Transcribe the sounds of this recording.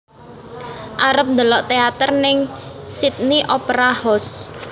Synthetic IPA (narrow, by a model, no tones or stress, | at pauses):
ʔaɾəp̚nd̪əlɔʔt̪eat̪ərnɪŋsit̪̚niʔopɾahɔs